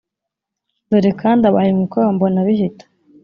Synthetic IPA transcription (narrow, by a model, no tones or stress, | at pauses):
doɾikʰaːndaβahemukaβambonaβihitḁ